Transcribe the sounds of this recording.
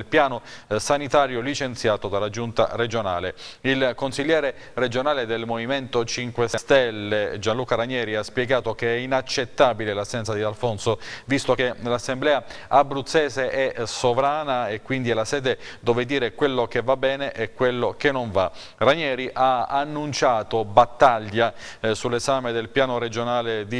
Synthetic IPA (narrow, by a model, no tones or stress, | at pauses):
lpjaːnosanit̪aːɾjolit͡ʃent̪sjaːt̪od̪alːad͡ʒunt̪a̰red͡ʒona̰ːleilkonsiʎːɛːɾe | red͡ʒonaːled̪elmoviment̪ot͡ʃiŋkwesst̪elːed͡ʒanluːkaɾaɲɛːɾiaspjeɡaːt̪okeɛinat͡ʃːet̪ːaːbilelasːɛnt̪sad̪ialfonsovist̪okelasːemblɛːaabːɾut̪sːɛːzeʔɛsovɾaːnaekwind̪iɛlasɛːd̪ed̪oːved̪iːɾekwelːokevabːɛːneʔɛkːwelːok̟enːoɱva | raɲɛːɾiʔaanːunt͡ʃaːt̪obat̪ːaʎːasulːezaːmed̪elpjaːnoɾed͡ʒonaːled̪i